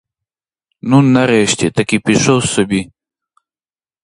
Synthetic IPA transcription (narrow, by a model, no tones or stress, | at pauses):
nunːɐɾeːɕt̪it̪ɐkipiʂowsobi